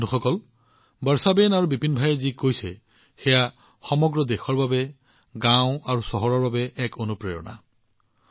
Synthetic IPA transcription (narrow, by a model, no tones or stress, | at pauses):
nuxɔkɔl | bəɹsabenaɹubipinbʱajɛzikojsɛ̰ | xɛja | xɔmɔɡɹɔd̪exɔɹbabɛ | ɡãʊ̃aɹusɔɦɔɹɔɹbabɛɛkonupɹejɔ̰na̰